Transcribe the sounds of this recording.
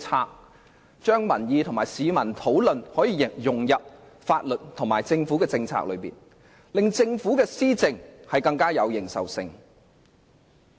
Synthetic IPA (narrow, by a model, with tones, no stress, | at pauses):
t͡sʰaː˧k̚ | t͡ʃœː˥ŋmɐ˨˩njiː˨t̪ʰʊ˨˩ŋmaː˨˩jsiː˨˧mɐ˨˩nt̪ʰo˨˥wlɵ˨nhɔː˨˥jiː˨˧˨jʊ˨ŋjɐ˨p̚ | faː˧t̚lɵ˨t̚t̪ʰʊ˨˩ŋmaː˨˩jt͡sɪ˧ŋfu˨˥kɛː˧t͡sɪ˧ŋt͡sʰa̰ː˧k̚lɵ˨˧ɥpḭː˨n | lɪ˨˧ŋt͡sɪ˧ŋfuː˨˥kɛː˧siː˥t͡sɪ˧ŋhɐ˨jkɐ˧ŋkaː˥jɐ˨˧wjɪ˨˩ŋsɐ̰˨wsɪ˧ŋ